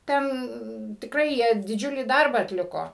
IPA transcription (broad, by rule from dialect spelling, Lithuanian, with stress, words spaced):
ˈtʲɛn tʲɪkˈrɐɪ ˈjiɛ dʲɪˈd͡ʒʲʊlʲiː ˈdɐrbɑː ɐtʲˈlʲɪkoː